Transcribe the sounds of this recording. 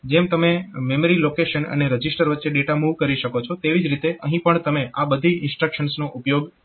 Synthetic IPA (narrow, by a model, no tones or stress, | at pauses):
d͡ʒemt̪əmememəɾilokeʃənə̰neɾəd͡ʒisʈəɾʋətːʃeɖeʈamuʋkəɾiʃəkot͡ʃʰot̪eʋid͡ʒɾit̪eʔəɦĩpəɳt̪əmeʔabəd̪ʱiɪnsʈɾəkʃənsnoʔupjoɡ